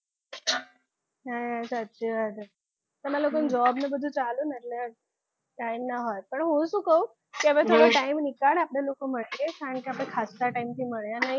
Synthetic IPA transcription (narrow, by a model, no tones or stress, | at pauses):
ɦajɦasat̪ɕiʋat̪ə | t̪əm̤alokənd͡ʑɔbnebəd̪ʱut͡saluːnət̪la | ʈajmnaɦɔt̪pəɳɦõsukəu | kiabeoɽaʈaimnikaɽapɽelokom̤əɽlekaɾəɳkiapɽẽkʰast̪aʈaimt̪ʰiːməɭjanaɦi